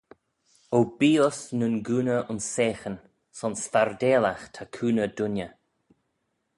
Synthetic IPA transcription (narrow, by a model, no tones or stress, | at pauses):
owbiːɔsnʊnɡuːnəʔʊnseːxən | sɔnsfaɾd̪eːlaxt̪ʰakʰuːnədʊnə